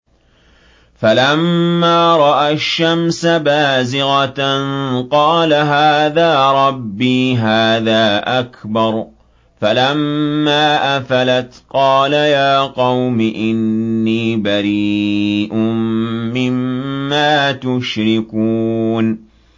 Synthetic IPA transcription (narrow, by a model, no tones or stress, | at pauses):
falamːaːɾˤɑʔaʃːamsabaːzɪɣɑnqɑːlaɦaːðaːɾˤɑbːiːɦaːðaːʔakbɑɾˤ | falamːaːʔafalat̪qɑːlajaːqɑwmɪʔɪnːiːbaɾiːʔʊmːɪmːaːt̪ʊʃɾɪkuːn